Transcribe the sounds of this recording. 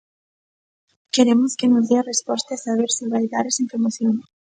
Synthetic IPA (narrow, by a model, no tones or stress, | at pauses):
keɾemoskenozðearespost̪easaβ̞eɾseβaiðaɾesempɾomoθjoŋ